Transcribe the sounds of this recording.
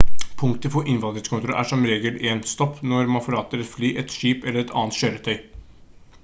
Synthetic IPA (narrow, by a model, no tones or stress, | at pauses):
pʰʊŋkt̪əpʰɔʔɪnʋɑnd̪ɾəskʰʊnt̪ɾʊʔæ̰ʂɔmɾeːɡəleːnst̪ɔpːnɔɾmɑnfɔlɑːt̪əɾɛt̪flyːʔɛt̪ʂiːpɛlːəɾɛt̪ʰɑ̰ːənt̪ɕøːɾət̪ʰœʏ